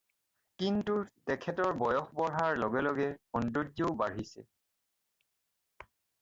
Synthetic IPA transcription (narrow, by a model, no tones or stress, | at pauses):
kintutɛkʰɛtɔɹbɔjɔxbɔɹɦaɹlɔɡɛlɔɡɛɔndodoʊbaɹisɛ̰